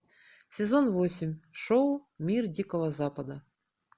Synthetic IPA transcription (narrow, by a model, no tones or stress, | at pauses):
sʲɪzonvosʲɪmʲʂoʊmʲirdʲikəvəzapəd̪ə